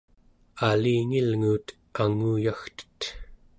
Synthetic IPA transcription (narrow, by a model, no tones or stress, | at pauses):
aliːŋilŋuːt̪ | aŋuːjaxt̪ə̥t̪